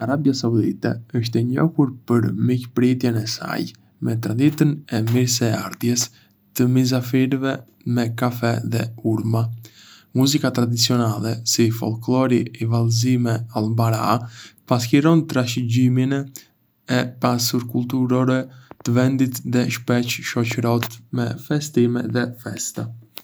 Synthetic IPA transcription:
aɾabjasaud̪it̪ɛ̰əʃt̪ɛɲɔ̰huɾpəɾmicpɾit̪jɛnɛsa̰j | mɛt̪ɾad̪it̪ənɛmiɾs̬ɛa̰ɾd̪jɛs | t̪əmizafiɾvɛ | mɛkafɛðɛ̰uɾma | muzikat̪ɾad̪it͡siɔnalˠɛsifɔ̰lˠklˠɔɾiːvalzimɛalˠbaɾa̰pasçiɾɔnt̪ɾaʃ̬əɟiminɛ | ɛpasuɾkulˠt̪̬uɾɔɾɛt̪əvɛnd̪it̪ðɛʃpɛt͡ʃʃɔt͡ʃəɾɔt̪mɛfɛst̪imɛðɛfɛst̪ə

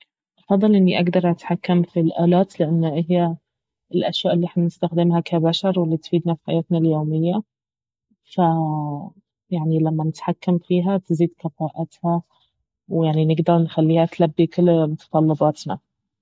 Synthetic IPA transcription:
ʔɑfɑd̪ˤːɨlʔɪnːiʔaɡd̪ɑɾˤʔat̪ħakːamfilʔaːlaːt̪lɪʔanːaʔɪɦjːa | ɪlʔaʃwaːʔɪlːiːɪħnanɪst̪axd̪ɪmɦakʰabaʃɑɾˤwɪlːiːt̪fiːd̪nafi̥ħa̰jaːt̪naljoːmɪjːa | fa | jaʕnilamːanɪt̪ħakːamfiːɦat̪ziːd̪kɑfaːʔat̪ha | wjaʕninɪɡd̪ɑɾˤnxalːiːhat̪labːikɪlːmʊt̪ɑ̥t̪ˤɑlːɑbɑːt̪na̰

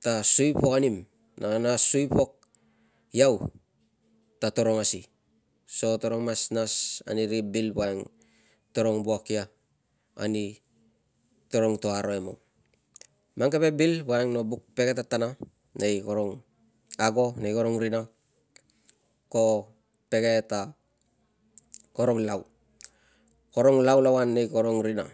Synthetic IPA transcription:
tasujpo̞kanim | nanasujpo̞k̚ | jaw | tato̞ɾo̞ŋasi | so̞to̞ɾoŋmasnasa̰niɾibilbuaeŋ | to̞ɾo̞ŋbuakia̰ː | ni | to̞ɾo̞ŋto̞aɾo̞emo | maŋkepe̞bilbaeŋno̞buk̚pe̞ke̞tatana | nejkoɾoŋ | aɡo̞nejko̞ɾoŋɾina | ko̞ | pe̞ɡe̞ta | koɾo̞ŋlaw | ko̞ɾo̞ŋlawlawanːejkoɾoŋɾina̰

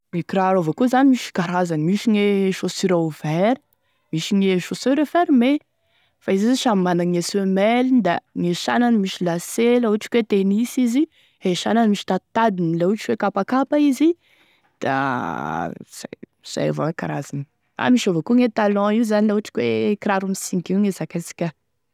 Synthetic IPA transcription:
ekiɾaɾovakuzanimiʃi̥kaɾazanimiʃiŋeʃosiɾauvɛɾi̥ | miʃiŋeʃosøɾefeɾme | faizizʃammanaŋesemɛlid̪aŋeʃa̰nanimiʃilaselauʈ͡ʂi̥kwet̪enisizi | heʃananimiʃi̥t̪ad̪t̪ad̪inilauʈ͡ʂiwekapakapaizi | d̪̥a̰ | z̥a̰ | z̥a̰ja̰va̰wekaɾa̰zani | a̰miʃovakuŋet̪alɔ̃iuzanilauaʈ͡ʂi̥kwekɾaɾumisiŋkiuŋezakasi̥kʲa

